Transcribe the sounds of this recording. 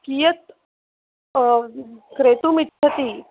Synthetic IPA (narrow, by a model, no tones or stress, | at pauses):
kiːjət̪ | kɾeːt̪umit͡ʃʰːɐt̪iː